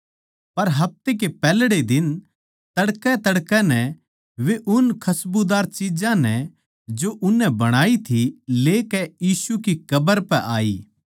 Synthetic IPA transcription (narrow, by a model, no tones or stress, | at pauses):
pɐɾɦɐp̚t̪ek̬epɛːlɽed̪ɪn | t̪ɐɽkɛt̪ɐɽkɛ̃nɛ | ʋeʔʊnkʰɐsbud̪aːɾt͡ʃid͡ʒãnɛ | d͡ʒoʔʊnːɛ̃bɐɽ̃aːit̪ʰileːkɛjiːsukikɐbəɾpɛʔaːḭː